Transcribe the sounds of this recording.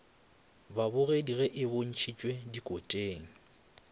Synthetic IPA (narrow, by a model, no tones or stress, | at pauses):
babʊrediɣɛʔɪbon̩t͡ʃʰit͡ʃʼwedikʼotʼeːŋ̩